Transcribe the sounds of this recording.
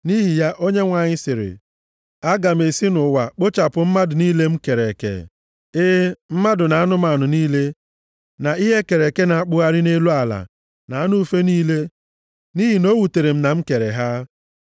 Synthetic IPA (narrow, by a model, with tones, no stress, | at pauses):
ni˦ɦi˨ja˦ʔo˦ɲe˦ŋʷa˨ɲɪ˦sɪ˨ɾɪ̰˨ | a˦ɡa˨m˨e˨si˦nʊ˨wa˨k͡po˦t͡ʃa˨pʊ˨m̩˦ma˦dʊ˨niː˦le˦m̩˦ke˨ɾe˨kḛ˨ | ɪ˦m̩˦ma˦dʊ˨na˨a˦nʊ˦ma˨a˨nʊ˨niː˦le˦ | na˨i˦ɦe˦ke˨ɾe˨ke˦na˨a˦k͡pʊ˦a˦ɾɪ˦ne˦lu˦a˨la̰˨ | na˨a˦nu˦u˦fe˦niː˦le˦ | ni˦ɦi˨no˦wu˨te˨ɾe˨m̩˦na˨m̩˦ke˨ɾe˨ɦa˦